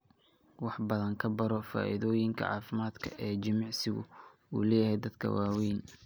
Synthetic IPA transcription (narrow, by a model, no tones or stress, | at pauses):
wɑħbɐðɐŋkʰɐbɐɾɔfa̰ːʔɪðɔːjɪŋkʰɐ̰ʕɑ̰ːfɪmaːd̪kʰɐ̰ʔɛːd͡ʒɪmɑʕsɪɣʊ̰ṵːlɛːjɐhɛjd̪ɐd̪kʰɐ̰waːwɛjn